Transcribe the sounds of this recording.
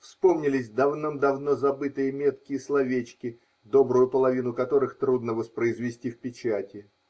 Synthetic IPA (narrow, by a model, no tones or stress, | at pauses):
fspo̞mnʲɪlʲɪsʲd̪ɐvnomd̪ɐvno̞zɐbɨt̪ɨjəmʲe̞t̪kʲɪjəslˠɐvʲet͡ɕkʲɪ | d̪o̞bɾʊjʊpəlˠɐvʲinʊkɐt̪o̞ɾɨxt̪ɾud̪nəvəspɾəɪzvʲɪsʲtʲifpʲɪt͡ɕætʲɪ